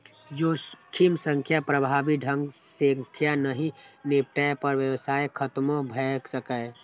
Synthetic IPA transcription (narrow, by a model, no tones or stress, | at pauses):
d͡ʒokʰimsə̃ŋkʰjapɾəbʱaːbiɖʱə̃ŋɡsəkʰjanəɦĩnep̚ʈajpəɾʋjəwsaːekʰət̪mobʱəksəkə